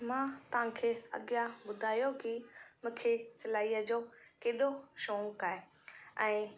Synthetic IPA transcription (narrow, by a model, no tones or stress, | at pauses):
mãːt̪ɐʋ̤ãkʰeːɐ̰ɠjaɓʊd̪ʱaːjokɪmũːkʰesɪlaːiːəd͡ʑoːkeːɗoʃoːkaːɦe | ɛ̃ː